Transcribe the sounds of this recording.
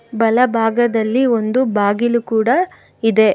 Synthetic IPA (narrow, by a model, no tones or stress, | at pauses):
bɐlɐbʱaːɡɐd̪ɐlːio̞nd̪ubʱaːɡilukuːɽɐ | id̪e̞